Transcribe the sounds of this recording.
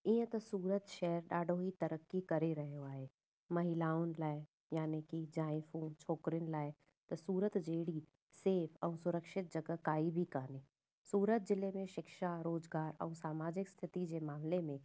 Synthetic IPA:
ĩɦə̃t̪osuːɾət̪ʃɛːəɾɖaːɖoːɦit̪əɾəkːikɐɾeɾəɦeɦoaːeː | mɐɦɪlaːonlaːe | jaːnekid͡ʒaːẽfũːnt͡ʃʰoːkɾɪnlaːe | t̪ɔsuːɾət̪d͡ʒeːɽi | seːpʰɔːsʊɾəkʃɪt̪̚d͡ʒəɡəkaːibʱikaːneː | suːɾət̪̚d͡ʒɪlːemẽʃɪkʃaɾoːd͡ʒɡaːɾɔ̰ːsaːmaːd͡ʒɪkst̪ʰɪt̪id͡ʒemaːmlemẽ

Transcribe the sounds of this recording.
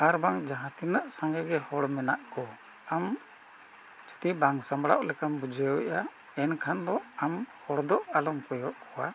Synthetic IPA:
aɾbaŋd͡ʒaɦãt̪inaʔsãŋɡɛɡɛhɔɽmɛnaʔkɔ | am | t͡ʃu̥t̪ibaŋsambɽaʔlɛkambud͡ʒɛʔa | ɛnkʰand̪ɔamhɔɽd̪ɔʔalɔmkɔjɔʔkɔwa

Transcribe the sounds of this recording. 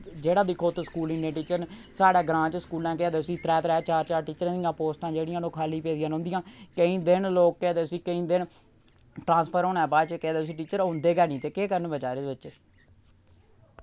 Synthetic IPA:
d͡ʒeːɽãːd̪iːkʰoːt̪skuːlĩːnẽːʈiːt͡ʃəɾnsaːɽɛːɡɾãːt͡ʃskuːlãːkɪːd̪eːsiːt̪ɾɛːt̪ɾɛːt͡ʃaːɾt͡ʃaːɾʈiːt͡ʃəɾãːd̪ijãːpoːsʈãːd͡ʒeːɽɪjãːnõːkʰaːliːpeːd̪ɪjãːnɦʊ̃ːnd̪ɪjãːkəĩːd̪ɪnloːk̚ːɛːd̪eːsiːkəĩːd̪ɪn | ʈɾãːspʰəɾoːnɛːbaːd̪t͡ʃkɛːd̪eːs̬iːʈiːt͡ʃəɾõːnd̪eːɡɛːnĩːt̪eːkeːkəɾənbət͡ʃaːɾeːd̪bɪtːʃeː

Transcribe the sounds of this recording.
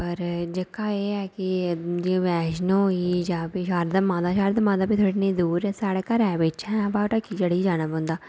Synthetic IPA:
pəɾd͡ʒɪkːaːeːɛːkɪd͡ʒeʋɛːʃnõːiːd͡ʒaːpiʃaːɾd̪aːmãːd̪aːʃaːɾd̪amãːd̪aːpiːt̪ʰoːɽinẽːd̪uːɾɛːsaːɽkəɾɛːʋɪt͡ʃɛ̃baːʈəkiːd͡ʒəɽiid͡ʒaːñaːbõːnd̪aː

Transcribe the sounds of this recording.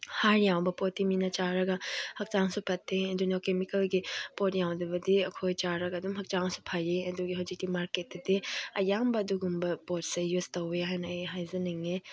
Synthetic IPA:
haɾjawbɐpotːiminɐt͡ʃaɾɐɡɐhɐk̚t͡ʃaŋsupʰɐtʰːeɐdunokemikɐlɡipotjawdɐbɐdiɐkʰojt͡ʃaɾɐɡɐdumɦɐk̚t͡ʃaŋsu̥pʰajeɐduɡiɦɐwzik̚timaɾketdɐdiɐjambɐːduɡumbɐpot̚sɐjuztɐweɦajnɐjɦajzɐnɐŋe

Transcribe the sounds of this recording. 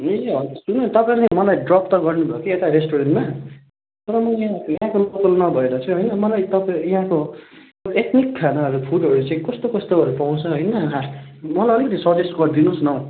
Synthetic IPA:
eɦʌsunʌt̪ʌpãẽɾt͡samʌlajɖrʌpt̪ʌɡʌrnubʱʌokiet̪aɾesʈoɾenma | t̪ʌɾʌmʌãjɦãkolokʌlnʌbʱʌeɾʌt͡sʰoɦʌjnʌmʌlajt̪ʌpjɦãko | oet̪nikːʰanaʌɾupʰuɖʌɾut͡saĩkʌst̪okʌst̪oɦʌɾupaw̃t͡sʰʌɦʌjnʌɦa | mʌlajʌlikʌt̪ʰisʌd͡zesɡʌrd̪inũsnʌ

